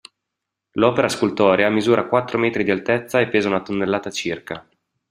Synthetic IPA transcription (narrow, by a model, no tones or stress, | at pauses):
lɔːpeɾaskult̪ɔːɾeamizuːɾʔakwat̪ːɾomɛːt̪ɾid̪ialt̪ɛt̪sːaepːeːzaunat̪onːelːaːt̪at͡ʃirka